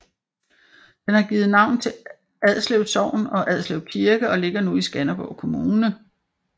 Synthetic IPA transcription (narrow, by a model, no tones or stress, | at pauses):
d̥enhɑ̈ɡ̥iːð̩ˠnɑ̈ʊ̰nt͡sʰe̝ | æðˠsleʊsɒʊ̰nɒ̽ʔæð̞ˠsleʊðkʰiɐɡ̥əɒ̽le̝ɡ̥ɐnuisɡ̥ænɐb̥ɒ̰ʊkʰo̝muːnə